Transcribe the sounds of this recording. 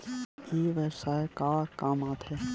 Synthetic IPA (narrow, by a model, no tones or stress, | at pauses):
iːʋɛsaːkaːkaːmaːt̪ʰe